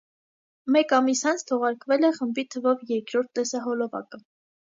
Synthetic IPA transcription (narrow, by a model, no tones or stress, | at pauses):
mɛkɑmisɑnt͡sʰt̪ʰɔʁɑɾkvɛlɛχəmbit̪ʰəvɔvjɛɾkɾɔɾt̪̚ʰːɛsɑɦɔlɔvɑ̰kə